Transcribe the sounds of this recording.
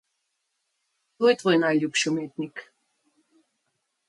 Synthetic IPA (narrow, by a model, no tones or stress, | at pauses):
t̪oɛt̪vojnajlʲupɕomʲet̪nʲik